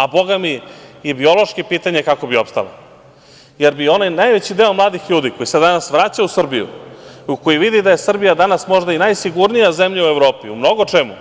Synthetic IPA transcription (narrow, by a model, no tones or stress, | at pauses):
abo̞ɡamijebio̞lo̞ʃkipiːt̪aɲekako̞bio̞pst̪a̰la̰ | jeɾbio̞najnajʋet͡ɕid̪e̞o̞mlˠaːd̪ixʎuːd̪iko̞jised̪anasʋɾat͡ɕausr̩bijṵukojiʋid̪id̪aje̞sr̩bijad̪anasmo̞ʒd̪ainajsiɡuɾnijazemʎaue̞ʋɾo̞ːpiṵmno̞ɡo̞t͡ʂemṵ